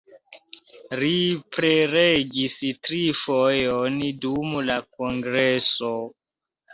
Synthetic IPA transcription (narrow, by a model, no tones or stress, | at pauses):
lipɾeɾeɡistɾifojondumulakoŋɡɾeso